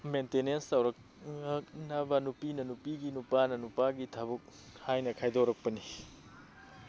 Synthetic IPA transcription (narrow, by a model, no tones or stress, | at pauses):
mentenenstɐwɾɐk̚ | ɐk̚nɐbɐnupinɐnupiɡinupanɐnupaɡitʰɐbuk̚hajnɐkʰajdoɾɐk̚pɐni